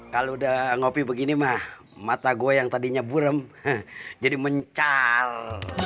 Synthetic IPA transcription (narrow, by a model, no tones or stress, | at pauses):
kalodaŋopibəɡinimah | mat̪aɡoejaŋt̪adiɲabuɾəm | d͡ʒadiməɲt͡ʃal